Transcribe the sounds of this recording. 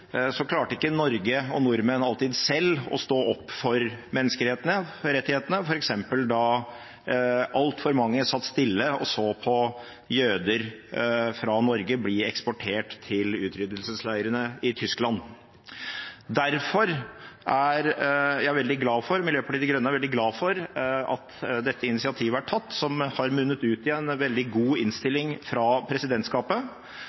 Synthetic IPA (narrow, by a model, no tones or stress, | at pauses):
sɔkʰlɑːʈəɪkːənɔɾɡəɔnʊɾmɛnɑlt̪ɪd̪sɛlːɔ̰st̪oːɔpːfɔɾmɛnːəskəlheːt̪ənəɾɛt̪ːɪheːt̪ənəfɔɾɛksɛmpəld̪ɑ | ʔɑlt̪fɔɾmɑŋːəsɑt̪ːst̪ɪlːəɔ̰soːpʰɔ | jøːd̪əɾ | fɾɑnɔɾɡəblɪɛkspɔʈʰeːʈt̪ʰɪlʉːt̪ʰɾʏd̪əlsəslæɪəɾənəɪt̪ʰʏsklɑn | d̪æɾfɔɾʔæɾjæɪʋɛld̪ɪɡlɑːfɔɾmɪljøːpɑʈiːd̪ɪɡɾœnəæɾʋɛld̪ɪɡlɑːfɔɾɑ̰t̪d̪ɛt̪ʰːəɪnɪsɪɑt̪ʰiːʋəæʈʰɑt̪ːsɔmhɑɾmʉnːət̪ʉːt̪ɪɛnʋɛld̪ɪɡuːɪnst̪ɪlːɪŋfɾɑːpʰɾɛsɪd̪ɛnt̪skɑːpə